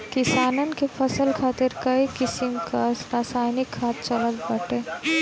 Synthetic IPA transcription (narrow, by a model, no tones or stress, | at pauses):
kɪsaːnənkefʰɐsəlkʰaːt̪ɪɾkɐikɪsɪmkaɾaːsaːɪnɪkʰːaːt̪̚t͡ʃɐləlbɐʈeː